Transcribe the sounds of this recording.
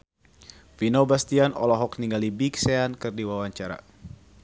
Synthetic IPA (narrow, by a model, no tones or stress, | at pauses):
finobast̪ianʔɔ̰lɔɦɔkniŋɡalibiksɛankɨrdiwawaɲt͡ʃaɾa̰